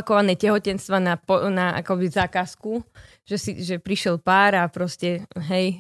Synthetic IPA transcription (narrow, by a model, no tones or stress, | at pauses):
kɔʋanɛːcɛɦɔcɛnst̪ʋanapɔnaa̰kɔbizaːkasku | ʒ̥ɛsiʒɛpɾiʃɛlpaːɾapɾɔscɛɦɛj